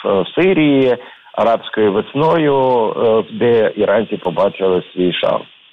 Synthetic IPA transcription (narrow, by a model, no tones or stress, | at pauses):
ɔ̰nɔwsɪɾʲiji | ɐ̰ɾɑpsʲkɔjʊʋɪsnɔjʊ | d̪ɛiɾʔɑnʲt͡sʲipɔbɑt͡ʃʲɾɪlˠɪsʲʋʲijʃɑ̰lˠ